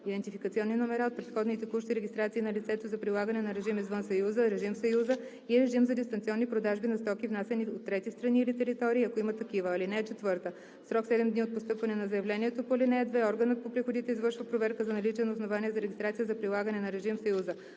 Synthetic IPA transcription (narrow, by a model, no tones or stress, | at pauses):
id̪ɛnt̪ifikət̪siɔnːinomɛɾaot̪̚pɾɛt̪xɔd̪nit̪ɛkuʃt̪iɾɛɡʲist̪ɾat̪siːnɐlit̪sɛt̪ozɐpɾilˠaɡənɛnɐɾɛʒimizvɤnsɐjuzəɾɛʒimfsɐjuzə | iɾɛʒimzɐd̪ist̪ɐnt̪siɔnːipɾod̪aʒbinɐst̪ɔkivnasɛniot̪ːɾɛt̪ist̪ɾɐniːlit̪ɛɾit̪ɔɾiːɐkoimət̪ɐkivəːlinɛɛt͡ʃɛt̪vɤɾt̪ə | sɾɔksɛd̪ɛmd̪niot̪̚post̪ɤpvɐnɛnɐzɐjɛvlɛniɛt̪opolinɛɛd̪vɛɔɾɡənət̪̚popɾixod̪it̪ɛizvɤɾʃvəpɾovɛɾkəzɐnɐlit͡ʃɛnɐosnovaniɛzɐɾɛɡist̪ɾat̪sijəzɐpɾilˠaɡənɛnɐɾɛʒimfsɐjuzə